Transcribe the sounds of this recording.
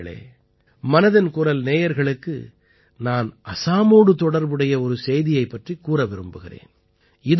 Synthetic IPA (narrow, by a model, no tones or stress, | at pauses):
ɭḛː | mɐnɐðɐnkʊrɐlneːjɐɾɣɐɭɯkːɯ̰ | naːnʔɐsaːmoːɽɯt̪ɔɽɐɾbɯɽɐjɐɔɾɯsɛjðɪjɐɪpːɐʈrikːuːrɐʋɪɾɯmbɯɣɪrḛːn | ɪð